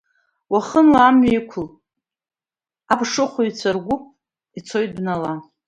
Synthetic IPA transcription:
waχənlaamɥajkʷʰʊl | abʂɨχʷʊit͡sʰarɡʷʊpʼ | it͡sʰo̞jt̚ʼbnala

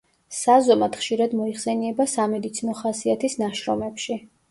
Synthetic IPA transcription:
sazɔmad̪̥χʃiɾad̪mɔiχsɛniɛbasamɛd̪it̪sʰinɔχasiat̪ʰisnaʃɾɔmɛpʃi

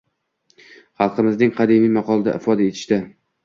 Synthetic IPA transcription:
χɑlˠqɨmɪznɪŋqʰɑd̪ɪmijmɑqʰɒlˠd̪a̰ʔɪfɒd̪aet̪ʰɪ̥ʃt̪ɪ

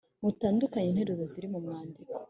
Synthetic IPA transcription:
mutaːndukaɲin̥he̞ɾuɾoziɾimumŋaːndiko̥

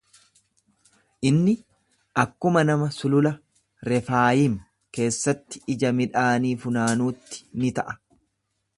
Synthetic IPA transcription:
ʔɪnːɪ | ʔɐkːʊmɐnɐmɐsʊlʊlɐ | ɾɛfaːjiːm | ke̞ːsːɐt̪ːɪ̥ɪd͡ʒɐmɪᶑaːniːfʊnaːnuːt̪ːɪ̥nɪt̪ɐʔɐ̥

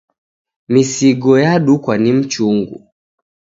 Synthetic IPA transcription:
misiɡɔjaɗukwanim̩t͡ʃuŋɡṵ

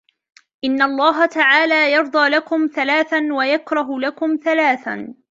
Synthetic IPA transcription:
ʔɪnːaʔɑlˤːɑːɦat̪aʕaːlaːjɑɾˤd̪ˤɑːlakʊmθalaːθanwajakɾˤɑɦʊlakʊmθalaːθa̰

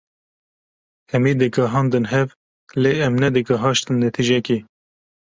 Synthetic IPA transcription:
ɛmiːd̪ɨkɑɦɑːnd̪ɨnɦɛv | leːɛmnɛd̪ɨkɐɦɑːʃt̪ɨnd̪et̪ʰiʒɛkiː

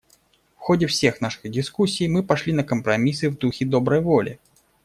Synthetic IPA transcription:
fxɔdʲɛfsʲexn̪aʂɨɣdʲɪskusʲːijmɨpaʂlʲinɐkɐmpɾamʲisɨvd̪uxʲid̪ɔbɾəjvɔlʲʔɪ̰

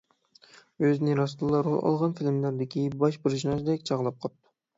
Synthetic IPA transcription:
øznɪɾɑst̪lˠɑɾo̰lˠɑ̰lˠʁɑnfilmlæɾd̪ɪkʲibɑʃbɪɾʒinɑzd̪ɛkʲt͡ʃʰɑʁlˠɑp̚qʰɑp̚t̪ʰːʊ̥

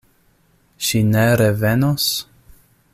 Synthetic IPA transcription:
ʃineɾevenos

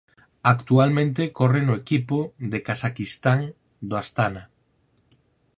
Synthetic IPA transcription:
akt̪ualmẽnt̪̬ekɔrenʊekipʊd̪ekasakist̪aŋ | d̪oast̪ana

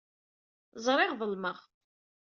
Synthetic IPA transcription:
zˤɾˤɪʁðəlməʁ

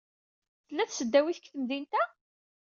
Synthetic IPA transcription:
θəlːæθsəd̪ːæwiθə̥kːθəmðint̪æ

